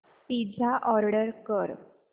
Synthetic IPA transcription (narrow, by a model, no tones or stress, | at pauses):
t̪id͡zʱaʔɔɾɽəɾkəɾ